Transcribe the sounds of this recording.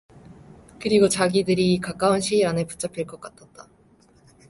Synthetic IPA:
kɯɾiɡot͡ɕaɡidɯɾikak͈aunɕʰiɾanɯpu̥t͡ɕ͈ʌpʰiɭk͈ʌk͈atʰat̚t͈a

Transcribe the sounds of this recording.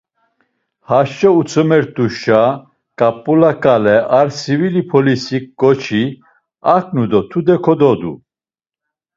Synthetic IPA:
haʃt͡ʃʼɛut͡sʰʼɔmɛɾt̪ʼuʃa | kʼapʼːulakʼalɛaɾsivilipʰɔlisik̚ɡɔt͡ʃʰi | akʰnud̪ɔt̪ʰud̪ɛkʰɔd̪ɔd̪ṵ

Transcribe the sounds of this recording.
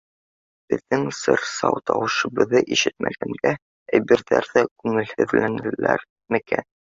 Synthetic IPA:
b̥ɘ̆ðːɘŋsɤɾsɑwt̪ɑwɤ̆ʃɤ̆bɤ̆ðɤʔiʃɘt̪̚mʔæɡæmɡæ | æjbĭɾðæɾðækʉŋɘ̆lhɘ̆ðlænɘ̆læɾ | mɘ̆kæn

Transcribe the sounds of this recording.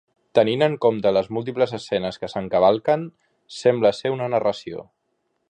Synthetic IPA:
t̪əninəŋkomt̪ələzmulˠt̪̬ipləzəsɛnəskəsəŋkəβ̞alˠkən | sɛmbləseunənərəsio̰

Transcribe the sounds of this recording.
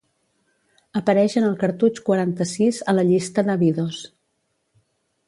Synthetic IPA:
əpəɾɛʃənəlˠkəɾt̪ut͡ʃkwəɾant̪əsizələʎist̪əðəβiðos

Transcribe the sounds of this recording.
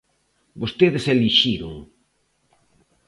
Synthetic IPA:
bost̪eðeseliʃiɾʊ̰ŋ

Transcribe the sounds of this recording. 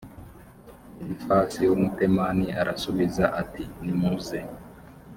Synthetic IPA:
ifasijomupemaniaɾasuβizaʔatinimuze

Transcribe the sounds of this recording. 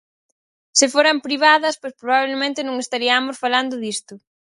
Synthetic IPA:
sɪfoɾɐmpɾiβaðɐspojspɾoβaβlemẽnt̪ɪnõŋest̪aɾiamosfaland̪ʊðist̪ʊ

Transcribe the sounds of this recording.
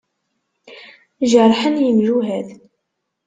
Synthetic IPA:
ʒərˤħənjəmʒuɦæð

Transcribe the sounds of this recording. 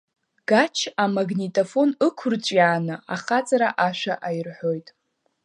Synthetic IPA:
ɡ̥at͡ʃʰamaɡnitʼofo̞nɨkʷʰʊrt͡ɕʷʼjaːnɨaχat͡sʼaɾaʔaʃᶣaʔajrħo̞jtʼ

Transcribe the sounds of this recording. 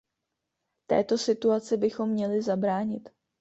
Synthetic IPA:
t̪ɛ̰ːt̪o̞sɪt̪uat͡sɪbɪxo̞mːɲɛlɪzabɾaːɲɪt̪

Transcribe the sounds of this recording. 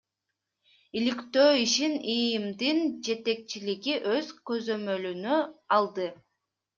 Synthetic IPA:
ilikt̪øːiʃinijimd̪ind͡ʒe̞t̪e̞k̚t͡ʃiliɡiʔøzkø̞zø̞mø̞lynøɑlˠd̪ɯ

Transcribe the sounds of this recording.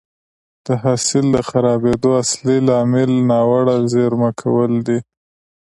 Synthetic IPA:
d̪̥əɦɑsɪld̪əxaɾɑbed̪oaslilɑmɪlnɑwaɽazeɾmakʰawəld̪i

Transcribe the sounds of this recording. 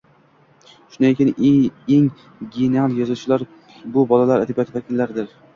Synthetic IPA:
ʃʊnaekʲɪneŋ | ɡʲenealˠjɒzʊt͡ʃʰɪlaɾ | bʊbɒlalaɾad̪ɪbat̪ʰɪvakʲɪlːaɾd̪ɪɾ

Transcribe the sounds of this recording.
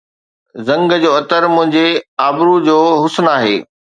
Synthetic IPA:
zɐ̃ŋɡd͡ʑoːɐt̪əɾmʊ̃ɦɪ̃ɲd͡ʑeaːbɾud͡ʑoːɦʊsnaːɦḛː

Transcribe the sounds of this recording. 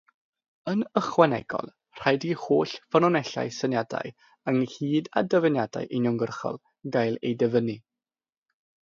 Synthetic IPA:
ənəχwɛnɛ̰ɡ̥ɔ̰lˠ | r̥ajdihoːɬfənɔnɛɬa̰jsənjada̰j | əŋhiːda̰dəvənjada̰jʔenɔŋɡərχɔ̰lˠ | ɡajlˠejdəvəni

